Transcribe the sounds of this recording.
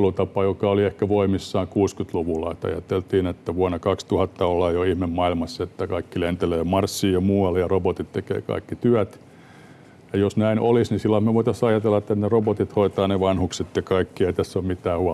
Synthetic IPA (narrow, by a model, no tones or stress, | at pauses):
lut̪ɑpɑjokɑoliehkæʋoimisːɑːŋkuːskyt̪luʋulɑ̰ist̪ɑ̰jɑ̰t̪elt̪iːnet̪ːæʋuɑnɑkɑkst̪uhɑt̪ːɑolːɑːjjoihmemmɑilmɑsːet̪ːækɑikːilent̪eleːmɑrsːiːjɑmuːɑlːejɑrobot̪it̪t̪ekḛːkɑ̰ikːit̪yæt̪ | jɑjosnæinʔolisnisilːɑmmeʋoit̪ɑsɑjɑt̪elːɑet̪ːænerobot̪it̪hoit̪ɑːneʋɑnhukset̪jɑkɑikːieit̪æsːommit̪æːhuɑ